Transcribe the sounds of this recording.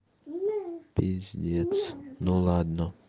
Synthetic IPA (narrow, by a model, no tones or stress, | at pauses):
pizdʲiɛt͡snulad̪nɔ